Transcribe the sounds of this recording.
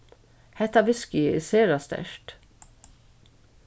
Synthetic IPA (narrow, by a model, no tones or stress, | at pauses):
hɛt̪ɑʋɪskɪeseːɾɑst̪ɛ̰ʃt